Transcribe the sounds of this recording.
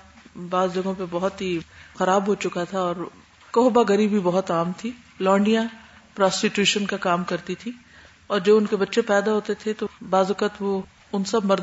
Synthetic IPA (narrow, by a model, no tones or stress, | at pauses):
baːzd͡ʒɐɡõpebɐɦʊt̪ɦixɐɾaːbɦot͡ʃʊkat̪ʰaɔːɾ | kɔɦbaɡɐɾiːbʱibɐɦʊt̪aːmt̪ʰi | lɔːɳɖijãpɾaːsʈiʈjuːʃənkakaːmkɐɾt̪it̪ʰi | ɔːɾd͡ʒoːbʊnkebɐtːʃepɛːd̪aɦoːt̪et̪ʰet̪obaːzɐkət̪ʋo | ʊnsɐbmɐɾ